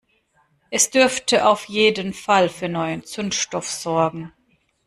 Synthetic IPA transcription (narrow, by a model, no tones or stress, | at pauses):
ʔɛsd̥ʏɐftʰəʔaʊfjeːdənfalfyːɐnɔʏənt͡sʊnʃtɔfz̥ɔɐɡŋ̩